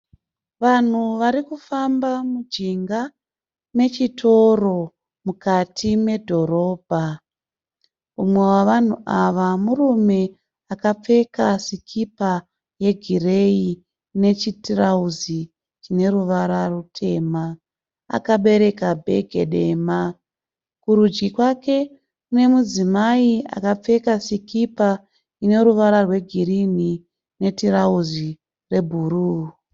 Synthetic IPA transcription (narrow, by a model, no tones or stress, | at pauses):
ʋan̤uʋaɾikufambamud͡ʒiŋɡa | me̞t͡ʃitʰo̞ro̞ | mukatʰime̞dʱo̞ɾo̞ːb̥ʱa | umwe̞waʋan̤ṵʔaʋamurume̞ | akap͡fe̞kasikʰipa | je̞ɡʱire̞i | ne̞t͡ʃitrauzi | t͡ʃine̞ɾuʋaɾarutʰe̞ːma̰ː | kaɓe̞ɾe̞kabʱe̞̰ɡʱe̞ɗe̞ːma | kuɾud͡ʒɡikwake̞ | kune̞mud͡zimaia̰kap͡fe̞kasikipa | ine̞ɾuʋaɾarwe̞ɡʱiɾini | ne̞tiɾauzi | re̞bʱuɾuː